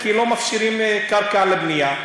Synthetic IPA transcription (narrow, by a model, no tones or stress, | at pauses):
kiːlomɐfʃɪɾimẽkɐɾkaːlɪbnɪjaː